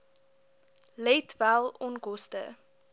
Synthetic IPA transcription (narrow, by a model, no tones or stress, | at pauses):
lɛtvælˠɔnkɔstə̰